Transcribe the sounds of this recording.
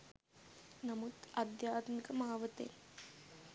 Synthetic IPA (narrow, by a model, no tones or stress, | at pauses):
nɐmut̪ɐd̪jaːt̪mikɐmaːʋɐt̪ḛːn